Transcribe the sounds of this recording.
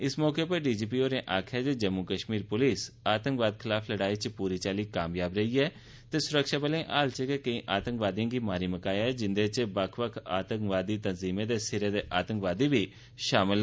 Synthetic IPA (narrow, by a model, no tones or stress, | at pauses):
ɪsmɔːkeːpəɾɖiːd͡ʒiːpiːoːɾẽːʔaːkʰad͡ʒed͡ʒəmːuːkəʃmiːɾpʊlɪsaːt̪ə̃ŋkʋaːd̪kʰɪlaːpʰləɽaːiːt͡ʃpuːɾiːt͡ʃaːliːkaːmjaːbɾəiːɛː | t̪eːsʊɾəkʃaːbəlẽːʔaːlt͡ʃəkekəĩːʔaːt̪ə̃ŋkʋaːd̪jãːɡiːmaːɾiːməkaːjaɛːd͡ʒɪnd̪eːt͡ʃbəkʰʋəkʰaːt̪ə̃ŋkʋaːd̪iːt̪ənziːmẽːd̪eːsɪɾeːd̪eːʔaːt̪ə̃ŋkʋaːd̪iːbiː | ʃaːmɪl